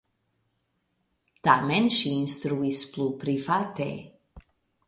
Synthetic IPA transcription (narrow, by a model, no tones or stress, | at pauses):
t̪amenʃiːnst̪ɾuisplupɾifat̪ḛ